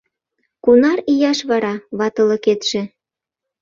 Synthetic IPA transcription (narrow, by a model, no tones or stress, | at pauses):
kunɑɾijɑʃβɑɾɑβɑt̪ɤ̆lɤ̆ket̪ʃĕ